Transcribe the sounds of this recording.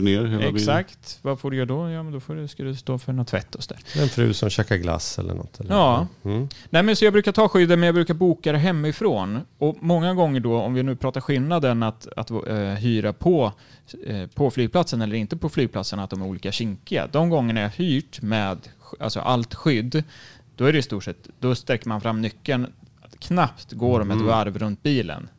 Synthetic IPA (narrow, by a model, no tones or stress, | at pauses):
neːɾheːlɛsakt̪vafoːɖɵjœːd̪ɔjɑːmɛnd̪ɔfoːɖɛskad̪ɵst̪oːfœɳɔt̪ʰːvɛ̰t̪ʰːɔsɔd̪æ̰ːɾɛnfɾʉ̟̰ːsɔmɕɛːkaɾɡla̰sɛ̰lːə̰ɳɔ̰tt̪ʰːɛlɑː | nɛːmɛnsɔjɑːɡbɾʉːkat̪ʰɑːɧʏd̪ːəmɛnjɑɡbɾʉːkaɾbuːkad̪ɾɛɦɛmːɪfɾoːnɔmɔŋːaɡɔŋːəɖɔɔmvɪnʉ̟ːpʰɾɑːt̪aɾɧɪlnad̪ənat̪a̰t̪ɦyːɾapʰɔ | pʰɔflyːɡ̚pʰlat̪sənɛlːəɾɪnt̪əpʰɔflyːɡ̚pʰlat̪sənat̪̚d̪ɔmæɾuːliːkaɕɪŋkɪa̰d̪ɔmɡɔŋːəɳaæɾjhyːʈmɛːd̪a̰lsɔ̰ʔa̰lt̪ɧʏd̪ː | d̪̥ɔæɾɛɪst̪uːʈʂɛt̪ːd̪ɔst̪ɾɛkːəɾmanfɾamːnʏkːəɳkʰnapt̪ɡoːɖɔmɛt̪vaɾvɾɵnt̪̚biːlə̰n